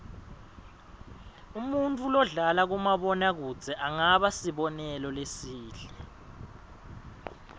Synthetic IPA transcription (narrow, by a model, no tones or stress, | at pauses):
umuntʼulɔɮalak̬umaɓɔnak̬u̥z̥ʱɛʔaŋaɓasiɓɔnɛlɔlesiːɮɛ